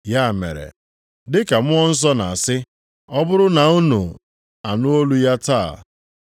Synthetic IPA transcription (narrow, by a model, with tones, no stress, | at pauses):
ja˦˨mḛ˨ɾḛ˨ | dɪ˦ka˨mʊ˦ɔ˦n̩˦s̬ɔ˦na˨a˨sɪ˦ | ɔ˦bʊ˦ɾʊ˦na˨u˦nṵ˨ | a˨nʊ˦o˦lu˦ja˦taː˦˨